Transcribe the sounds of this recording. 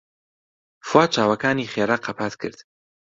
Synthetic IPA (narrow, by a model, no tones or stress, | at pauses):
fwaːt͡ʃʰaːwɐkaːniχeːɾaqʰɐpʰaːt̪kʰɨ̰ɾd̪̥